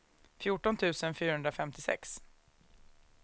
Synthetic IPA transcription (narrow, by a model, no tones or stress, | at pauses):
fjuʈɔnt̪ʰʉ̟ːsənfyːɾahɵnd̪ɾafɛmt̪ɪsɛ̰ks